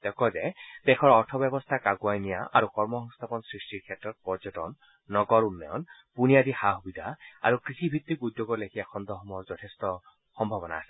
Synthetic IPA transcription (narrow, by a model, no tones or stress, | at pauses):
t̪ɛkɔzɛt̪ɛkʰɔɹɔɹtʰɔbɛbɔst̪ʰakaɡwajnijaʔa̰ɹukɔɹmɔhɔŋst̪ʰapɔnsɹistiɹkʰɛtɹɔt̚pɔɹd͡ʒɔtɔ̰nː | ɔɡɔɹunːɔjɔ̰npunijad̪ixaɦubid̪ʱaa̰ɹukɹixibʱit̪ːikujd̪joɡɔlekʰijakʰɔnd̪ɔɦɔmɔɔɔɹzɔt̪ʰɛstɔ | xɔmbʱabɔna̰ːsɛ̥